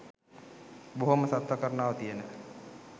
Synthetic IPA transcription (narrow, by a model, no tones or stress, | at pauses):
boɦoməsat̪ʋəkəɾənaːʋət̪ijənə